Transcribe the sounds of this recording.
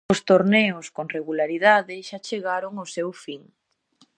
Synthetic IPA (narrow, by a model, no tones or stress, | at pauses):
ʊst̪oɾneʊskoŋreɣulaɾiðaðɪʃat͡ʃeɣaɾoŋosewfiŋ